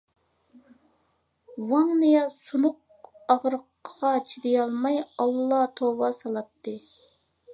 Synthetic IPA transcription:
wɑŋnɨjɑsunʊq̚ | ɑʁɾəqːʁɑt͡ʃʰid̪ɪjɑlˠmɑjɑlˠːɑt̪ʰowɑsɑlˠɑt̪ʰːɨ

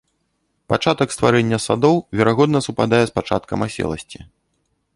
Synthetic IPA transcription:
pat͡ʂat̪ɐkst̪vaɾɛnʲːɐsad̪ɔwvʲɛɾaɣɔd̪nɐsupad̪ajɛspat͡ʂa̰t̪kɐmasʲɛ̰lˠɐ̰sʲt͡sʲi

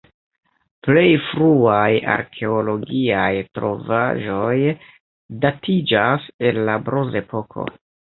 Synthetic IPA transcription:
ple̞jfɾuaja̰ɾkʰe̞olo̞ɡiajtɾo̞va̰ʒo̞j | datʰid͡ʒase̞nlabɾoze̞pʰo̞kʰo̞̰

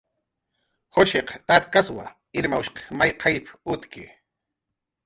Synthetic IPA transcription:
hot͡ʃeqt̪aɾkaswa̰ | ɪɾmawʃqɑ̥majqʰɑjpʊt̪kɪ

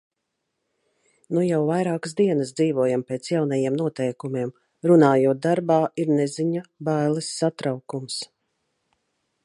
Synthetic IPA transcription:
nujawvajɾaːkəsd̪iɛnəsd̪ziːvuɔjampeːt̪sjawnɛjiɛmnuɔt̪ɛjkumiɛm | ɾunaːjuɔt̪̚d̪aɾbaːiɾnɛziɲabajlˠɨsːat̪ɾawkums

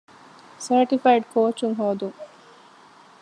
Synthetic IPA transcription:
sɐɾʈifajɖkʰoːt͡ʃuŋɦoːd̪uŋ

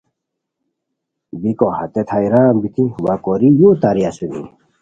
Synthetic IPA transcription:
bikohat̪et̪ʰajɾaːmbit̪iwakoɾijut̪aɾijasunḭ

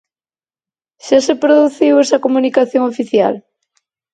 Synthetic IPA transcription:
ʃasepɾoðuθiwesɐkomunikaθjoŋofiθja̰l

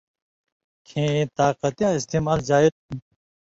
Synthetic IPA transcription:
kʰẽːt̪aːqɐt̪jãːist̪eːmaːld͡ʑaːiɾ

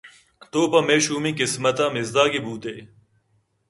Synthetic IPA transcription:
t̪oːpɐmeːɕuːmikismɐt̪ãːmizd̪aːɡibuːt̪eː

